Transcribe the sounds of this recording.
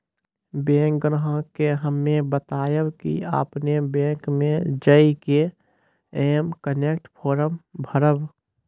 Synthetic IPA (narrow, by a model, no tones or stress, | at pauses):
bẽːŋk̚ɡɾəɦə̃keɦəmːebət̪aːjəbkḭa̰ːpnebẽːkmẽd͡ʒəike | eːmkəneːkʈpʰoːɾəmbʱəɾəb